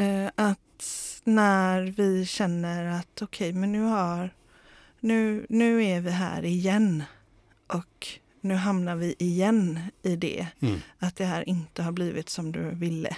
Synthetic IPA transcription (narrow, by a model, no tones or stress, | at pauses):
ʔat̪næɾvɪɕɛnːəɾat̪ɔkʰɛjmɛnːʉ̟ːhaɾ | nʉ̟ːnʉ̟ːævɪɦæ̰ːɾɪjɛnː | ʔɔk | nʉ̟ːɦamnaɾvɪʔɪjɛnːɪd̪ɛ̰at̪̚d̪ɛɦæːɾʔɪnt̪əhaɾbliːvɪt̪sɔmd̪ɵ̰vɪlːə̰